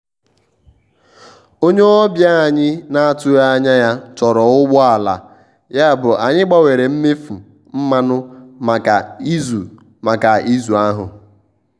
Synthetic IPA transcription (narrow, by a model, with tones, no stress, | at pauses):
o˦ɲe˦ɔ˦bja˦a˨ɲɪ˦na˦a˦˨tʊ˦ja˦ɲa˦ja˦tɔ˨ɾɔ˨ʊ˦ɡ͡bɔ˦a˨la̰˨ | ja˦˨bʊ˨ʔa˨ɲɪ˦ɡ͡ba˦we˨ɾe˨m̩˦me˦fu˨ | m̩˦ma˦nʊ˦ma˨ka˨i˦zu˨ | ma˨ka˨i˦zu˨a˦ɦʊ˨